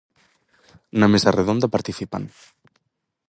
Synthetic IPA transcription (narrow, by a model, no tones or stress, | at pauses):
namesareðond̪apaɾt̪iθipa̰n